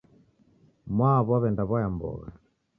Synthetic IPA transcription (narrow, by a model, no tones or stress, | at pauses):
mwaβaβɛndaβajambɔ̰ɣa̰